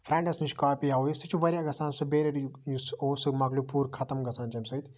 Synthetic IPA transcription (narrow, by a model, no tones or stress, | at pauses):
fʰɾɛ̃ːɳɖɐsniʃʲkaːpijaojist̪ʰɨt͡ʃʰuʋɐɾʲɐɡɐsaːnsɨbeːɾɐʈjusoːsɨmɐklupuːɾkʰɐt̪ɐmɡɐsaːnt͡ʃɐmʲsɐjt̪ʰ